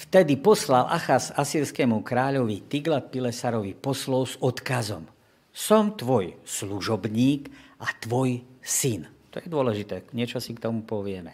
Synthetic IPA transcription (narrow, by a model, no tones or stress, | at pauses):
ft̪ɛd̪ipɔslalʔa̰xazasiːɾskɛmukɾaːʎɔʋit̪iɡlat̪̚pilɛsaɾɔʋipɔslɔlzɔt̪kazɔm | sɔmt̪ʋɔjsluʒɔbɲiːkʔat̪ʋɔjsint̪ɔjɛd̪ʊɔlɛʒit̪ɛːɲɪɛt͡ʃɔsikt̪ɔmupɔʋɪɛmɛ